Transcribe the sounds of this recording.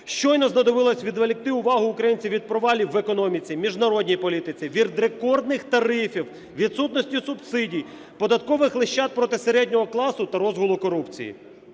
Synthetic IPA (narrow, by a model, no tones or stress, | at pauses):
ʃt͡ʃɔjnɔznɐd̪ɔʋɪlˠɔsʲʋʲid̪ʋelʲik̚t̪ɪʊʋɑɦʊːkɾɐjinʲt͡sʲiwʋʲid̪̚pɾɔʋɑlʲiʋekɔnɔmʲit͡sʲimʲiʒnɐɾɔdʲnʲijpɔlʲit̪ɪt͡sʲiʋʲid̪ɾekɔrd̪nɪxt̪ɐɾɪfʲiw | ʋʲid̪sut̪nɔsʲtʲisʊbsɪdʲij | pɔd̪ɐt̪kɔʋɪxlˠɪʃt͡ʃːɑt̪̚pɾɔt̪ɪseɾɛdʲnʲɔɦɔklˠɑsʊt̪ɐɾɔzɦʊlˠʊkɔɾupt͡sʲḭjḭ